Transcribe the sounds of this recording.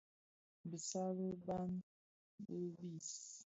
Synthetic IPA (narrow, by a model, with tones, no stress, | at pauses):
bə˨sa˦bə˦ba˦m | bə˦bi˦˨s